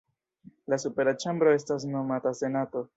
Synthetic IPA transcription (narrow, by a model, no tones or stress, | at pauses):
lasupe̞ɾat͡ʃambɾo̞e̞stas̬no̞matase̞nato̞